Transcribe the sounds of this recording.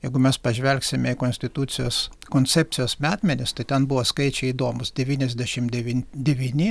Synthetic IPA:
jɛɪɡʊmʲɛspɐʒʲʋʲɛlʲksʲɪmʲɛikoːnsʲt̪ʲɪt̪uːt̪sʲɪjoːskoːnʲt͡ssʲæp̚ʲt͡ssʲɪjoːsmʲæːt̪ʲmʲɛnʲɪst̪ɐɪt̪ʲɛnbuʋoskɐɪt͡ʃʲɛid̪oːmʊsd̪ʲɛʋʲiːnʲɛzʲd̪ʲæʃʲɪmd̪ʲɛʋʲinʲd̪ʲɛʋʲiːnʲɪ

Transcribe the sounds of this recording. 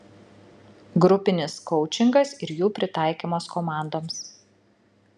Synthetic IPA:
ɡɾʊpʲɪnʲɪskɔʊt͡ʃʲɪŋɡɐsɪɾjuːpʲɾʲɪt̪ɑˑɪkʲiːmoːskɔmɑˑnd̪oːms

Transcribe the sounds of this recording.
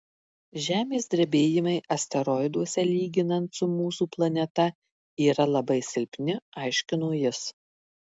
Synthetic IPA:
ʒʲæːmʲeːsd̪ʲɾʲɛbʲeːjɪmɐɪʔɐsʲt̪ʲɛɾɔɪd̪uɔsʲɛlʲiːɡʲɪnɐnt̪sʊmuːsuːplˠɐnʲɛt̪ɐ | iːɾɐlˠɐbɐɪsʲɪlʲpʲnʲɪɑɪʃʲkʲɪnoːjɪs

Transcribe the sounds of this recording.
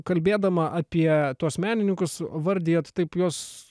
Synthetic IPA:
kɐlʲbʲeːd̪ɐmɐʔɑːpʲiɛt̪uɔsmʲæːnʲɪnʲɪŋkʊsʋɐɾʲd̪ʲejɛt̪t̪ɐɪpjoːs

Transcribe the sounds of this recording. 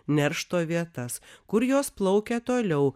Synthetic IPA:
nʲɛɾʃt̪oːʋʲiɛt̪ɐskʊɾjoːsplˠɒʊkʲɛt̪oːlʲɛʊ

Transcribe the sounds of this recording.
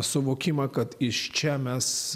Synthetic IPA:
sʊʋoːkʲɪmɐkɐt̪ɪʃt͡ʃʲɛmʲɛs

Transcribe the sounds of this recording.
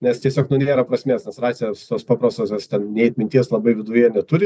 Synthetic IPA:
nʲɛst̪ʲiɛsʲoːknʊnʲeːɾɐpɾɐsʲmʲeːsnʲɛsrɑːtsʲejst̪oːspɑːpɾɐst̪oːsjɛst̪ʲɛnnʲɛɪt̪ʲmʲɪnʲt̪ʲiɛslˠɐbɐɪʋʲɪd̪ʊjiɛnʲɛt̪ʊɾʲɪ

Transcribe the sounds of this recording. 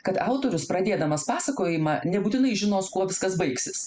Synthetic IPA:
kɐt̪ɑʊt̪oːɾʲʊspɾɐd̪ʲeːd̪ɐmɐspɑːsɐkoːjɪmɐnʲɛbuːt̪ʲɪnɐɪʒʲɪnoːskuɔʋʲɪskɐsbɐɪksʲɪs

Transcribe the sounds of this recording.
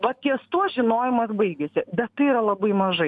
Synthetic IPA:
ʋɐttʲiɛst̪uɔʒʲɪnoːjɪmɐsbɐɪɡʲɛsʲɪbʲɛt̪tːɐɪiːɾɐlˠɐbɐɪmɐʒɐɪ

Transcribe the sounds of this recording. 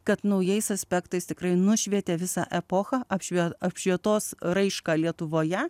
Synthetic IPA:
kɐt̪nɐʊjɛɪsɐsʲpʲækt̪ɐɪst̪ʲɪkɾɐɪnʊʃʲʋʲiɛt̪ʲeʋʲɪsɑ̰ʔɛpoːxɑʔɐpʃʲʋʲiɐpʲʃʲʋʲiɛt̪oːsrɐɪʃkɑːlʲiɛt̪ʊʋoːjɛ

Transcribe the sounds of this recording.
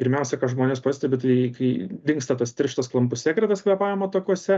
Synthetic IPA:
pʲɪɾʲmʲɛʊsʲɛkɐʒmoːnʲeːspɑːsʲt̪ʲɛbʲɪt̪ɐɪɪkɐɪd̪ʲɪŋkst̪ɐt̪ɐst̪ʲɪɾʲʃʲt̪ɐsklˠɐmpʊssʲæːkɾʲɛt̪ɐskʲɛpɑːjɛmoːt̪ɐkuɔsʲɛ

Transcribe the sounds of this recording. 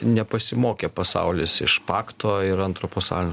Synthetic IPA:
nʲɛpɐsʲɪmoːkʲeːpɐsɐ̰ʊlʲɪːsɪ̰ʃpɑːkt̪oːɪɾɐnt̪ɾopoːsɑ̰ːlʲɪnʲ

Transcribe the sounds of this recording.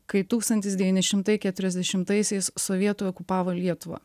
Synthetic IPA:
kɐɪt̪uːkst̪ɐnʲt̪ʲɪsd̪ʲɛʋʲiːnʲɪʃʲɪmt̪ɐɪkʲæt̪ʲʊɾʲɛzʲd̪ʲɛʃʲɪmt̪ɐɪsʲɛɪssɔʋʲiɛt̪oːɔkʊpɑːʋolʲiɛt̪ʊʋɐ̰ː

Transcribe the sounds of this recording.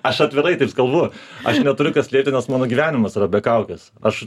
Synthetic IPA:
ɐʃɐt̪ʲʋʲɪɾɐɪɐɪpskɐlˠbʊɐʃnʲɛt̪ʊɾʲʊkɐsʲlʲeːp̚ʲt̪ʲɪnʲɛsmɑːnoːɡʲiːʋʲæːnʲɪmɐsɾɐbʲɛkɐʊkʲɛs | ɐʃ

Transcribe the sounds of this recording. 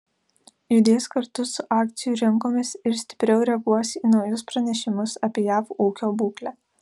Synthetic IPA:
jʊd̪ʲeːskɐɾt̪ʊsʊʔɑːk̚t̪sʲɪjuːɾʲɪŋkoːmʲɪsɪɾsʲt̪ʲɪ̥pʲɾʲɛʊɾʲɛɐɡuɔsʲiːnɒʊjʊspɾɐnʲɛʃʲɪmʊsɐpʲiɛjæːfuːkʲoːbuːklʲæː

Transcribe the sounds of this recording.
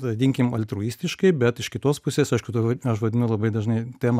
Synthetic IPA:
ɐd̪ʲiŋʲkʲɪmɐlʲt̪ɾuːiːsʲt̪ʲɪʃkɐɪbʲɛt̪ɪʃkʲɪt̪oːspʊsʲeːsɐɪʃkʊt̪oɐʃʋɐdʲɪnɐʊlˠɐbɐɪd̪ɐʒnɐɪt̪ʲæːm

